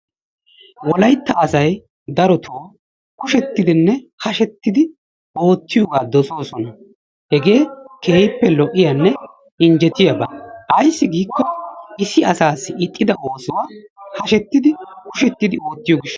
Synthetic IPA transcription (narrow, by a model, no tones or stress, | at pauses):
wɔlɐjt̪ːɐɐsɐj | d̪ɐɾɔt̪ʰoː | kʊʃɛt̪ːɪd̪ɪnːɛhɐʃɛt̪ːɪd̪ɪ | o̞ːt̪ːɪjɔɡaːd̪ɔso̞ːsɔnɐ | hɛɡe̞ːke̞ːjpːɛlɔʔɪjanːɛ | ɪɲd͡ʒɛt̪ɪjɐbɐʔɐjsːɪɡiːkːɔɪsɪɐsaːsːɪɪt̪ʼːɪd̪ɐʔo̞ːsɪwaːhɐʃɛt̪ːɪd̪ɪkʊʃɛt̪ːɪd̪ɪo̞ːt̪ːɪjoːɡɪʃː